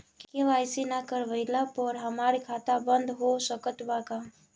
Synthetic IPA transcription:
kkeʋaːɪsinakəɾʋəɪləpɔːɾɦɐmaːɾikʰaːt̪abə̃nd̪ɦosəkət̪ʋakaː

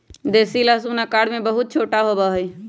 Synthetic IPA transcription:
d̪esilasunakaɽmebəɦut̪̚t͡ʃʰoʈaɦobəɦəj

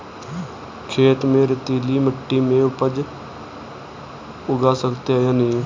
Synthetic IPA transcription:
kʰeːt̪mẽːɾɪt̪iːliːməʈːiːmẽːʊpəd͡ʒ | ʊɡaːsəkt̪eajaːniː

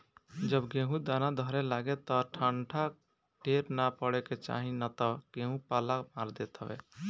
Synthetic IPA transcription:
d͡ʒəbɡeɦũd̪anad̪ʱəɾɛlaɡɛt̪ɔʈʰəɳʈʰa | ʈeɾnapəɽɛket͡ʃa̰ɦinat̪ɔɡ̥ẽɦũpalamaɾd̪et̪ɦəbɛ̰

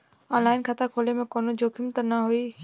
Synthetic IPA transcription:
ɔ̃ːnlaːɪnkʰɐt̪akʰoːlemẽkoːnod͡ʑoːkʰɪmt̪ənɐɦoi

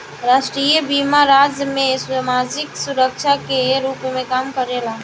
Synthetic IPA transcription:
ɾaːʃʈɾiːjəbimaɾaːd͡ʒəmẽsmaːd͡ʒɪksuɾəkt͡ʃʰakeɾuːpmẽkaːmkəɾela

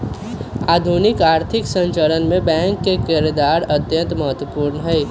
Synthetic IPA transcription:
aːd̪ʱunɪkaːɾt̪ʰɪksə̃ɲt͡ʃələnmẽbɛ̃ːŋkːekeɾed̪aːɾət̪jə̃nt̪məɦət̪ʋəpuːɾnəɦɛː

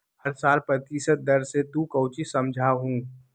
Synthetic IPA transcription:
hɐɾsaːlpɾət̪iːsət̪̚d̪ɐɾset̪ũkəʊt͡ʃisɐmd͡ʒʱaɦũː

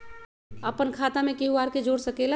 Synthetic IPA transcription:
əpənkʰat̪amekiɦuaɾked͡ʒoɽsəkela

